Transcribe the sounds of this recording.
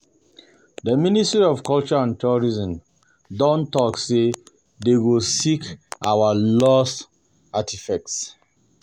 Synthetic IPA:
dəministɹiɔvkɔlt͡ʃɔãntʰuɹizɔ̃m | dɔ̃ntɔksse | dewulsikʔa̰walɔs | atifɛk̚ts

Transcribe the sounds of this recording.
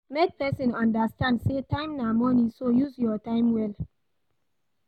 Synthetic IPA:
mek̚pʰɛsĩnɔ̃ndastãndsetãɪ̃mnamɔnisojuzjɔtãɪ̃mwɛl

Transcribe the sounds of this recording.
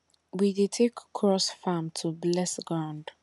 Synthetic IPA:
widetʰekʰːɹɔsfãmtʰublɛsɡɹãnd

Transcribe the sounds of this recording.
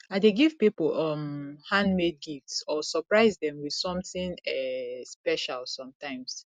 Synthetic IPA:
adeɡiv̥pipolɔmhãndmed̚ɡiftsɔsɔpɹaɪzdɛ̃mwið̥sɔ̃mθĩŋɛspɛʃalsɔ̃mtãɪ̃ms

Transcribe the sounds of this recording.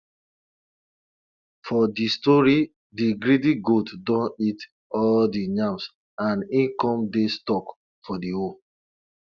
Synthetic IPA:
fɔdistɔɹi | diɡɹidiɡotdɔ̃nit | ɔldiɲãms | ãnĩnkɔ̃mdestɔk | fɔdio

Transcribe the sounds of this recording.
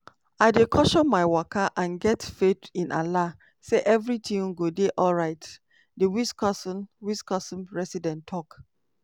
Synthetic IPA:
aɪdekʰɔʃɔmaɪwakʰaʔãnɡɛtfetĩnʔa̰la | seʔɛvɹitʰĩŋɡodeʔɔlɹaɪt | dewiskɔsnwiskɔsɔ̃mɹɛsidɛ̃ntʰːɔk

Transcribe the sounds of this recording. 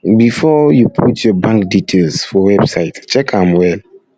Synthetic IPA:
bifɔjupʰutʰjɔbãŋkditʰelsfɔwɛbsaɪtt͡ʃɛkãmwɛl

